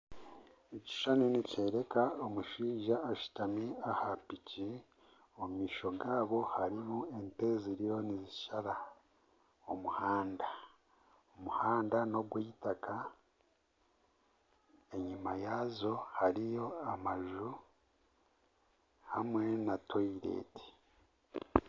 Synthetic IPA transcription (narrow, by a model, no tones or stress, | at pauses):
eci̥ʃanenice̞ːɾe̞kaomuʃiːʒaːʃu̥tamiahapici | omumiːʃo̞ɡaːβo̞haɾimue̞nte̞ːziɾijo̞niziʃaɾa | omuhaːnda | omuhaːndano̞ɡweːjitaka | e̞ɲimajaːzo̞haɾijo̞amaʒu | hamwe̞natʰoiɾḛːti̥